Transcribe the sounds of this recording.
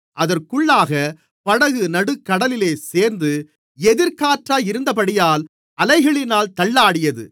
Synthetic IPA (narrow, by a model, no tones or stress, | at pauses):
ʔɐðɐrkʊɭːaːɣɐ | pɐɽɐɣɯnɐɽɯkːɐɽɐlɪleːseːɾnd̪ɯ | ɛðɪɾkaːʈraːjɪɾɯnd̪ɐpɐɽɪjaːl | ʔɐlɐɪɣɐɭɪnaːlt̪ɐɭːaːɽɪjɐðɯ̰